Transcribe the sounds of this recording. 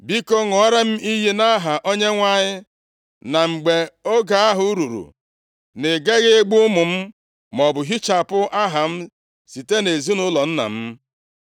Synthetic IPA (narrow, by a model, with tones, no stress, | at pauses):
bi˦ko˦ŋɔ˨˦ɾa˦m̩˦i˦ɦi˦na˦ɦa˨ʔo˦ɲe˦ŋʷa˦ɲɪ˦ | na˨ŋ͡m̩˨ɡ͡be˨o˦ɡa˨a˦ɦʊ˨˦ɾu˨ɾṵ˨ | ne˨ɡe˦ɣɪ˦ɡ͡bʊ˦mʊ˨m̩˦ | mɔ˨bʊ˨ɦi˦t͡ʃa˨pʊ˦ʔa˦ɦa˨m̩˦ | si˨te˦ne˨zi˦nʊ˦lɔ˨n̩˦na̰˨m̩˦